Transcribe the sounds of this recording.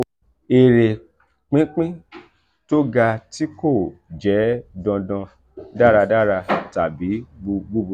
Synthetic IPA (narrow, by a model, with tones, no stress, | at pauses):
e˨ɾe˨ | k͡pĩ˦k͡pĩ˦ | to˦ɡa˧ti˦ko˦˨d͡ʒɛ˨˦dɔ̃˧dã˧ | da˦ɾa˧da˦˨ɾa˧ta˨bi˨˦ɡ͡bu˧ɡ͡bu˦bu˧